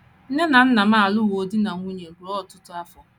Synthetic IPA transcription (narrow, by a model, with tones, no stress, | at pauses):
n̩˦ne˦na˨n̩˦na˨ma˦˨a˨lʊ˦wo˨di˦na˨ŋʷu˦ɲe˨ɡu˨ɾɔ˦˨tʊ˦tʊ˦a˦fɔ˦